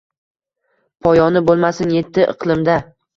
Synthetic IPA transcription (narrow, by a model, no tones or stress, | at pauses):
pʰɒjɒnɪbolˠmasɪnje̞t̪ʰːɪʔɨ̰qʰlˠɪmd̪a